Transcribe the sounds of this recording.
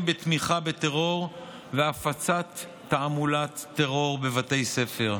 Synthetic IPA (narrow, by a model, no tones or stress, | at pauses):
bet̪miχabet̪eʁo̞ʁ | veafat͡sat̪ː | aamulat̪ːeʁo̞ʁbe̞vat̪e̞jse̞fe̞ʁ